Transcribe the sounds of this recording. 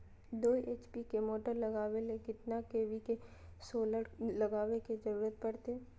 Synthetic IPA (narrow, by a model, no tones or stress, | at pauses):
d̪oːiʔeːt͡ʃpikemoːʈəɾlɐɡaːʋelekɪt̪nakeːʋike | soːləɽlɐɡaːʋeked͡ʒɐɾuːɾət̪̚pɐɽt̪eː